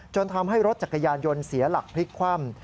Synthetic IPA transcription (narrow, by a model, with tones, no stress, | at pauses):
t͡ɕo˧nt̪ʰa˧mɦa˥˩jɾo˦˥t̪̚t͡ɕa˨˩t̚kːa˧jaː˧njo˧nsi˩˦ɐla˨˩k̚pʰli˦˥kkʰwa˥˩m